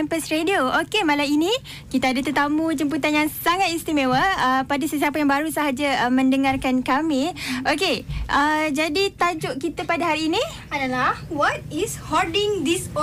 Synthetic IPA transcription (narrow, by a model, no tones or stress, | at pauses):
ɛmpəsɾediookemalaini | kit̪aadat̪ut̪amũd͡ʒəmput̪anjaŋsaŋat̪̚ist̪imewəəpadasəs̬iapajaŋbaɾusəɦad͡ʒamə̃ndəŋarkankamiʔokeʔəd͡ʒadit̪ad͡ʒʊʔkit̪apadaɦaɾiːni | adalahwɔt̚ishɔdiŋd̪is